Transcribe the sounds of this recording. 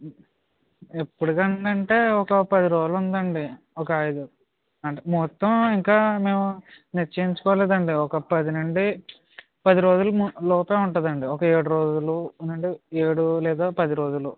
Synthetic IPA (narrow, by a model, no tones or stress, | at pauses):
epːuɽukɐɳɐɳʈe̞ːɔkɐpɐd̪iɾo̞ːd͡ʒulund̪ɐɳɖi | ɔkɐɐjd̪u | ɐɳmɔt̪ːɐmiŋkaːme̞ːmu | net͡ʃːɐiɲt͡ʃu̥kɔʋaleːd̪ɐɳɖiɔkɐpɐd̪ineɳɖi | pɐd̪iɾo̞ːd͡ʒulumlɔːpeːuɳʈɐd̪ɐɳɖiɔkɐe̞ːɽuɾo̞ːd͡ʒulunɐɳɖieːɽulɛːd̪aːpɐd̪iɾo̞ːd͡ʒulu